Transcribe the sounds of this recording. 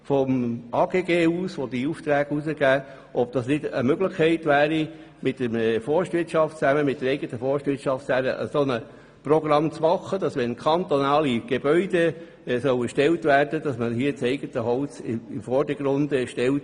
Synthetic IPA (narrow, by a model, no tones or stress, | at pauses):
fɔmʔɑːɡ̥eːɡeːuːsʋod̪iuft̪ɾæːɡ̥usəɡ̥æː | ʔɔb̚d̥ɑsnɪdə̰møɡləχkʰɛɪtʋæːɾi | mɪtd̥əmfɔɾʃtʋɪɾtʃɑftt͡sæməmɪt̚d̥əɾɛɪɡət̪əfɔɹʃtʋɪtʃɑftæːɾəʔə̰sonə | prɔɡɾɑmt͡smɑχːəd̥ɑsʋɛnkʰɑnt̪ɔnɑːliɡ̥eb̥œʏde | sœwəʃtɛltʋæːrd̥əd̥ɑsməɦiət͡sɛɪɡət̪əɦɔlsɪɪmfɔrdəɡ̥ɾʊnd̪ɛʃtɛlt